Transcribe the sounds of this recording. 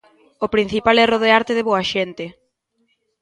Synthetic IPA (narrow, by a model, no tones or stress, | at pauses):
opɾin̟θipalɛroðeaɾt̪eðeβoaʃent̪ɪ